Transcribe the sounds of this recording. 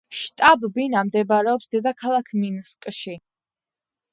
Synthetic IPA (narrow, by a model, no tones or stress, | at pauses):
ʃt̪ʼabbinamd̪ɛbaɾɛɔpsd̪ɛd̪akʰalˠakʰminskʼʃi